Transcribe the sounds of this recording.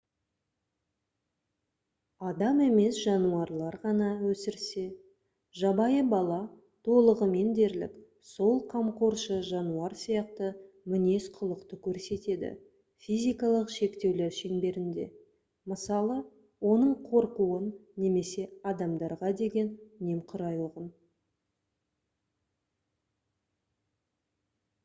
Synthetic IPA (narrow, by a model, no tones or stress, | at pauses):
ɑd̪ɑmeme̞sʒɑnuɑɾlˠɑɾʁɑnɑwɵsɪɾse̞ | ʒɑbɑjəbɑlˠɑ | t̪ʰo̞lˠəʁəme̞nd̪e̞ɾlɪ̰k | so̞lˠqʰɑmqoɾʃəʒɑnuɑɾsijɑqt̪ə | mɪne̞sqʰʊlˠəqt̪əkʲʰɵɾse̞t̪e̞d̪ɪ̰ | fʲijzʲijkɑlˠəqʃe̞kt̪e̞wle̞ɾʃeŋbe̞ɾɪnd̪e̞̰ | məsɑlˠə | wo̞nəɴqʰo̞ɾquənːe̞me̞se̞ɑd̪ɑmd̪ɑɾʁɑd̪e̞ɡʲe̞nne̞mqʰʊɾɑjwoʁən